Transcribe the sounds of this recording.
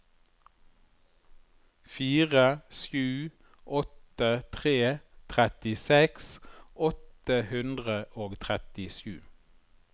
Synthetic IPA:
fiːʁəʃjʉː | ʔɔt̪ət̪ʰʁeːt̪ʰʁɛt̪ɪsɛksʔɔt̪əhʉnd̪ʁəʔoːɡt̪ʰʁɛt̪ɪʃʉ̰ː

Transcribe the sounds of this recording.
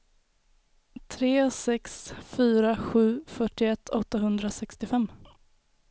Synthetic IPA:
t̪ʰɾeːsɛksfyːɾaɧʉ̟ːfœʈːɪɛt̪ʰːɔt̪ːaɦɵnd̪ɾasɛkst̪ɪfɛmː

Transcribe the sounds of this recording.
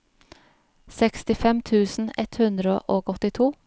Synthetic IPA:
sɛkst̪ɪfɛmt̪ʰʉːsn̩ɛ̰t̪hʉnd̪ɾəʔoːɡɔt̪ɪt̪ʰuː

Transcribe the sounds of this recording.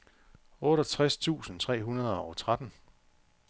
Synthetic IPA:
ɔ̽ːɾɒt͡sʰʁast͡sʰṵːsn̩t͡sʰʁɛ̰ːɦunɐð̞ˠɐɒʊt͡sʰʁad̥n̩

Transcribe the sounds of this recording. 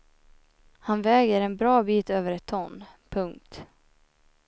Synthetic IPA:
hanvɛːɡəɾɛnbɾɑːbiːt̪øːvəɾɛt̪ʰːɔŋnpʰɵŋk̚t̪

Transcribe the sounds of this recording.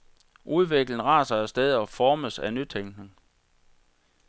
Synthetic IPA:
ʔuðˠʋeɡ̥ln̩ʁɑ̈ːsɑ̈ɪæɐsd̥eð̞̩ˠɒfɒːməsænyt͡sʰeŋ̰ɡ̥neŋ

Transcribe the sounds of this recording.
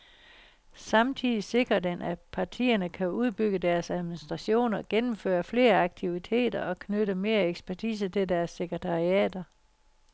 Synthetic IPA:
sɑ̈mt͡sʰið̰ˠise̝ɡ̥ʁɐd̥enʔæpʰɑ̈t͡sʰḭːɐnəkʰæuð̞ˠb̥yɡ̥əd̥æɐsæð̞ˠminisd̥ʁɑ̈ɕo̝̰ːnɐɡ̥enm̩fø̰ːɐfle̝̰ːɐɑ̈ɡ̥̚t͡sʰiʋit͡sʰe̝̰ːd̥ɐʔɒ̽kʰnøɾəme̝ːɐeɡ̥sb̥æɐt͡sʰḭːsət͡sʰe̝ld̥æɐsːeɡ̥ʁət͡sʰɑ̈ʁiɛ̰ːd̥ɐ

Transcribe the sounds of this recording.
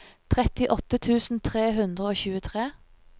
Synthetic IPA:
t̪ʰʁɛt̪ɪʔɔt̪ət̪ʰʉːsn̩t̪ʰʁeːɦʉnd̪ʁəoːçʉːət̪ʰʁeː

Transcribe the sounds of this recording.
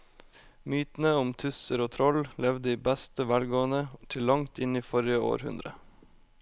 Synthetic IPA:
myːt̪n̩əʊmt̪ʰʉsəɾoːt̪ʰɾɔllɛʋd̪əiːbæst̪əʋælɡoːənət̪ʰɪlːɑŋt̪ɪniːfɔɾjɪəo̰ːɾhʉ̰nd̪ɾə

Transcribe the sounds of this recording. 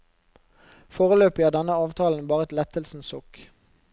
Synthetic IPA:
foːʁəløːpəjæːʁd̪ɛnəɑːʋt̪ʰɑːln̩bɑːʁəɛt̪lɛt̪əlsn̩sɔk

